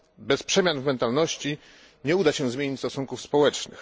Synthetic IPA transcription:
bɛspʂɛmʲjanvmɛnt̪alnɔɕt͡ɕi | ɲɛud̪aɕɛzmʲeɲit͡ɕst̪ɔsuŋkufspɔwɛt͡ʂnɘ̰x

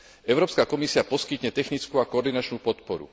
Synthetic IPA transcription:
ɛʊɾɔːpskakɔmisiapɔskit̪ɲɛt̪ɛxnit͡skuːakɔɔɾd̪inat͡ʃnuːpɔt̪pɔɾṵ

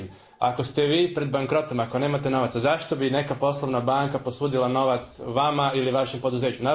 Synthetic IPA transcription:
m | ako̞st̪e̞ʋiːpɾe̞d̪̚baŋkɾo̞t̪o̞makone̞ːmat̪e̞no̞ʋat̪sazaʃt̪o̞bine̞kapo̞slˠo̞ʋnabaŋkaposuːd̪ilˠano̞ʋat̪sʋamailiʋaʃe̞mpo̞d̪uze̞ːt͡ɕuna

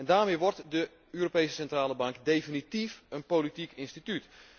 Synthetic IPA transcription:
ɛndaːrmejʋɔrtdə | øːropejsəsɛntraːləbɑŋkdejfinitifənpolitikɪnstityt

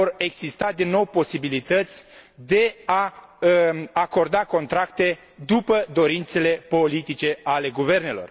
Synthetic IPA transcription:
ore̞ɡz̥ist̪ad̪inːo̞wpo̞sibilit̪ət̪sʲd̪e̞aəako̞rd̪ako̞nt̪ɾakt̪e̞ | d̪upəd̪o̞ɾint̪se̞le̞po̞lit̪it͡ʃe̞ale̞ɡuve̞rne̞lo̞̰r

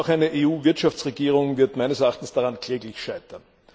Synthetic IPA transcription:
ʊxæɪnəʔeːuːvɪɐtʃaft͡sʁeɡiːʁ̞ʊŋvɪɐtmæɪnəsɛɐʔaːχtn̩sd̥aʁankʰl̥ɛːɡlɪçʃaɪtɐn

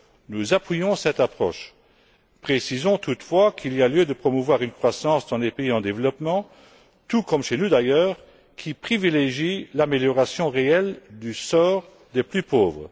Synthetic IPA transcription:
nuzapɥijɔ̃sɛt̪apχɔ̰ʃ | pχesizɔ̃t̪ʰut̪fwakʰilialjød̪əpχɔmuvwaʁynkχwasɑ̃sd̪ɑ̃lepeiɑ̃d̪evlɔpmɑ̃ | t̪ukɔmʃenud̪ajœːʁ | kʲʰipχivileʒilameljɔʁasjɔ̃ʁeɛld̪ysɔːʁ | d̪eplypoːvʁə

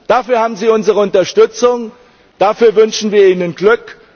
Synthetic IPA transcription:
d̥afyːɐhaːbm̩ziːʊnzəʁəʊntɐʃtʏt͡sʊŋ | d̥afyːɐvʏnʃn̩viːɐʔiːnənɡ̥lʏk

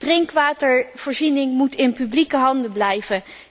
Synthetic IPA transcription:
d̥rɪŋkʋaːtəɹv̥oːɹzinɪŋmutɪnpyblikəɦɑndəblɛjvə

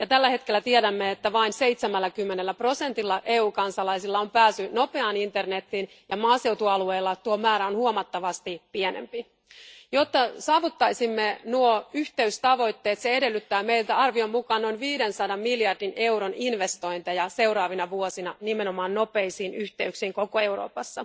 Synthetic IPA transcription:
jɑt̪ælːæhe̞t̪kelːæt̪iedæmːeet̪ːæʋɑinse̞it̪semælːækymːe̞nelːæpro̞se̞nt̪ilːɑʔeːuːkɑnsɑlɑisilːɑompæːsyno̞pe̞ɑːnint̪e̞rne̞t̪ːin | jɑmɑːse̞wt̪uɑlue̞ːlːɑt̪uomæːɾæonhuomɑt̪ːɑʋɑst̪ipienḛmpi | jo̞t̪ːɑsɑːʋut̪ːɑjsimːenuoyçt̪e̞yst̪ɑʋo̞jt̪ːe̞ːt̪seede̞lːyt̪ːæːmeilt̪æɑrʋio̞mmukɑːnno̞inʋiːdensɑdɑmmiljɑrdine̞uɾoninʋe̞st̪o̞int̪ɑjɑse̞uɾɑːʋinɑʋuosinɑnimeno̞mɑːnno̞pe̞isiːnyçt̪e̞yksiːŋko̞koe̞wro̰ːpɑsːɑ

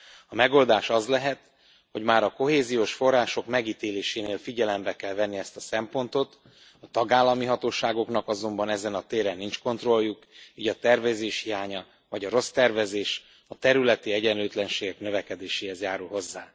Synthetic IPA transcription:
ɒmɛɡo̞ld̪aːʃɒzlɛɦɛt̪ | ho̞ɟmaːɾɒko̞ɦeːzijoːʃfo̞rːaːʃo̞kmɛɡiːt̪eːleːʃeːneːlfiɟɛlɛmbɛkɛlvɛnːiɛst̪ɒsɛmpo̞nt̪o̞t̪ | ɒt̪ɒɡaːlːɒmiɦɒt̪oːʃaːɡo̞knɒkɒzo̞mbɒnɛzɛnɒt̪eːɾɛnint͡ʃko̞nt̪ro̞lːukiːɟɒt̪ɛrvɛzeːʃhijaːɲɒ | vɒɟɒɾo̞st̪ɛrvɛzeːʃ | ɒt̪ɛɾylɛt̪iɛɟɛnløːt̪lɛnʃeːɡɛknøvɛkɛd̪eːʃeːhɛzjaːɾulɦo̞zːaː

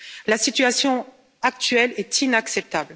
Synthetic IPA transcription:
lasit̪yasjɔ̃ | ak̚t̪ɥɛlɛt̪inaksɛp̚t̪abl

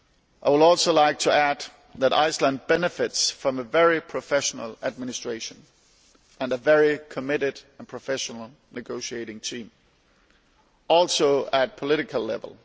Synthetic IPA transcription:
ʔaɪwəɾɔlˠsoʊlaɪk̚tʰəæd | ðɨɾa̰ɪslə̃nd̚bɛnɨfɪtsfɹʌ̃mɨvɛɹipʰɹ̥ɨfɛʃn̩əl̩ˠɨd̚mɪ̃nɨstɹ̥eɪʃɨ̃n | ʔɨ̃nɨvɛɹikʰɨmɪɾɨɾə̃npʰɹ̥ɨfɛʃnl̩ˠ | nɨɡoʊʃieɪɾɪ̃ŋtʰĩm | ɔlˠsoʊət̚pʰəlɪɾɨkʰəl̩ˠlɛ̰və̰l̩ˠ

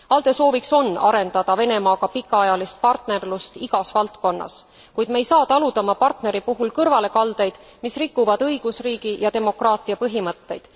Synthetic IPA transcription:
ɑld̪̥e̞so̞ːvikso̞nːɑ̰ɾe̞nd̪̥ɑd̪̥ɑve̞ne̞mɑːɡ̥ɑpikːˑɑɑjɑlist̪̚pɑrt̪ne̞rlust̪iɡ̥ɑsvɑlt̪ko̞nːɑ̰s | kujd̪̥mejsɑːt̪ɑlud̪̥ɑmɑpɑrt̪ne̞ɾipuɦulkɤrvɑle̞kɑld̪e̞jd̪̥ | misrikːˑuvɑd̪ɤjɡ̥usriːɡ̥ijɑt̪e̞mo̞krɑːt̪ˑiɑpɤɦimɤt̪ːe̞jd̪̥

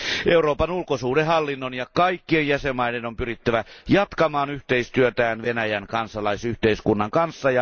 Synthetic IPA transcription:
ʔeuroːpɑnulkosuːdehɑlːinːonjɑkɑikːienjæsemːɑidenompyrit̪ːæʋæjɑt̪kɑmɑːnyht̪eist̪yøt̪æːnʋenæjænkɑnsɑlɑisyht̪eiskunːɑŋkɑnsːɑjɑ

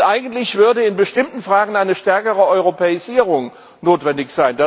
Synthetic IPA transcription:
ʔaɪɡn̩tlɪçv̥ʏɐdəɪnbəʃtɪmtn̩fʁ̥aːɡŋ̩ʔaɪnəʃtɛɐkəʁəɔʏʁopɛːɪziːʁʊŋ | noːtv̥ɛndɪçz̥aɪnda

